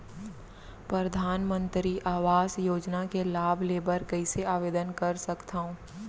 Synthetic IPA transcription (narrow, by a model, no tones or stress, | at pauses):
pɾɐɾəd̪ʱaːnmə̃nt̪ɾiʔaːʋaːsjoːd͡ʒnakelaːbʱleːbəɾkɐɪseaːʋeːd̪ənkɐɾsɐkt̪aːɦõː